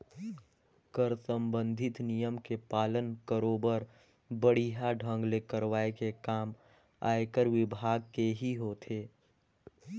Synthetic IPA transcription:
kəɾsə̃mbə̃nd̪ʱɪt̪nijəmkepaːlənkəɾobəɾ | bəɽiɦaɖʱə̃ŋɡlekəɾwaːekekaːm | a̰ːekəɾʋɪbʱaːɡ̚keɦiɦot̪ʰeː

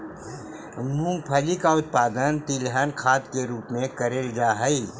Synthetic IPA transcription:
mũːŋɡpʰɐlikaʊt̪̚paːd̪ənt̪ilɦənkʰaːd̪keɾuːpmẽkɐɾeːld͡ʒaːɦɐi

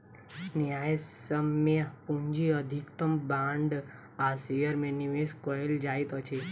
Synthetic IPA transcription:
niajsəmːəpũɲd͡ʒiəd̪ʱikt̪əmbãɳɖ | asijəɾmeniʋeskɔeld͡ʒajt̪ot͡ʃʰe

